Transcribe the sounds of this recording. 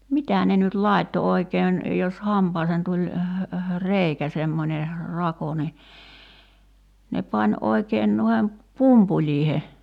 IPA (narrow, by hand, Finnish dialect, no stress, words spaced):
mitæ ne nyt lɑˑi̞tːo oikeːn jos hɑmpɑːseːn tulʲ reikæ semːonʲe rɑko ni ne pɑnʲ oikeːn nuihem pumpulʲˑiːhe